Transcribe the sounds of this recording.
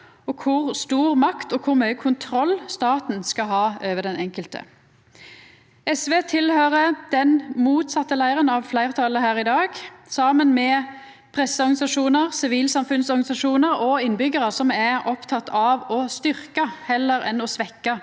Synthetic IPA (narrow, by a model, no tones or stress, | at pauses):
ɔkʰʊʁst̪uːʁmɑkt̪ɔkʰʊʁmœʏəkʰʊnt̪ʰɾɔlːst̪ɑːt̪n̩skɑɦɑːøːʋəd̪ɛnɛŋkəlt̪ə̰ | ɛsʋeːt̪ʰɪlhøːʁəd̪̥ɛnmuːt̪sɑt̪ːəlæɪəʁənɑʋflæɪʁt̪ʰɑləɦæːʁɪd̪ɑːɡsɑːmənmɛ | pʰʁɛsːəɔʁɡɑnɪsɑʂuːnəʁsɪʋiːlsɑmfʉnsɔʁɡnɪsɑʂuːnəʁɔɪnbʏɡəʁəsɔmæʁɔpt̪ʰɑt̪ʰɑʋɔst̪ʏʁkɑhɛlːəɾɛnɔsʋɛkːɑ